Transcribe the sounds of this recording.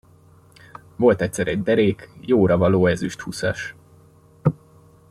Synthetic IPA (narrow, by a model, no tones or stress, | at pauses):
vo̞lt̪ɛt̪ʲsɛɾɛɟ̚d̪ɛɾeːkjoːɾɒvɒloːɛzyʃt̪husɒʃ